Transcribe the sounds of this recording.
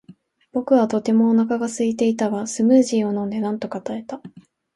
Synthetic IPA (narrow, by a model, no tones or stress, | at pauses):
b̥o̞kɯ̟βat̪o̞t̪e̞mo̞ːnakaɡasɨit̪e̞it̪aβasɨmɯ̟ːʑiːo̞nõ̞nd̪e̞nãnt̪o̞kat̪ae̞t̪a